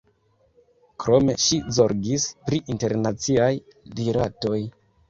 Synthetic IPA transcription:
kɾo̞me̞̰ʃizo̞ɾɡispɾiʔinte̞ɾnat͡siajdiɾato̞j

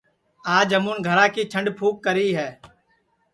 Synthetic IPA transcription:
aːd͡ʒɦəmuːnɡʱəɾaːkiːt͡ʃʰəɳɖpʰuːkːəɾiːɦɛː

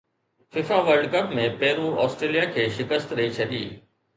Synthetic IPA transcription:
fɪfaʋəɾɖkɐpmẽpɛːɾuɔ̰ːsʈɾeːlijakʰeːʃɪkəst̪ɾɐit͡ɕʰɐd̪ḭː

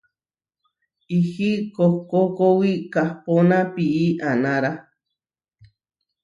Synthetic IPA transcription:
ihikokokowikahponãpiʔianãɾa

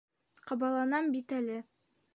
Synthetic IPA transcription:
qɑbɑlˠɑnɑmbit̪ælɘ

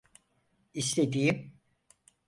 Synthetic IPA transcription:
iʃlʲed̪ijim

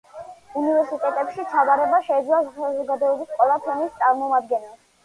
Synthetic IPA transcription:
univɛɾsit̪ʼɛt̪ʼɛpʃit̪t͡ʃʰavaɾɛbaʃɛid̪zlasazɔɡad̪ɔɛbisqʼɛlˠapʰɛnist̪sʼaɾmɔmad̪̚ɡɛnɛl

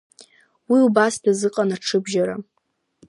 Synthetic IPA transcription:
wiubasdazɨqʼanaʈ͡ʂʰɨbʒaɾa̰

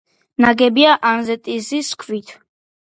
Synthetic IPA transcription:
naɡɛbiaʔanzɛt̪ʼiziskʰvit̪ʰ

